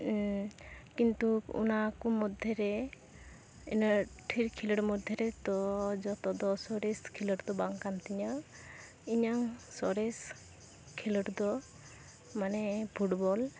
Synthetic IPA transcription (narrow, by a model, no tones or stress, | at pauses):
kint̪uṵnakumɔd̪ʱjɔɾɛ | inəʈʰiɾkʰiləɽmɔd̪ʱjɔɾɛt̪ɔd͡ʒɔt̪ɔd̪ɔsɔɾeskʰiləɽd̪ɔbaŋkant̪iɲɔ | iɲaŋsɔɾes | kʰiləʈd̪ɔ | manɛpʰuʈbɔl